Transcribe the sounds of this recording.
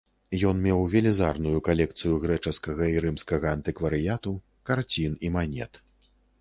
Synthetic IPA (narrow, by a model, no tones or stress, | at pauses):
jɔnmʲɛwvʲɛlʲizarnujukalʲɛk̚t̪sɨjuɣɾɛt͡ʂɐskɐɣɐiɾɨmskɐɣɐːnt̪ɨkvɐɾɨjat̪u | kart͡sʲinimanʲɛ̰t̪